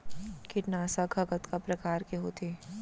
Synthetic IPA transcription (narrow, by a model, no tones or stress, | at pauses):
kɪʈnaːsaɡʱɐɡət̪kapɾɐkaːɾkeɦoːt̪ʰeː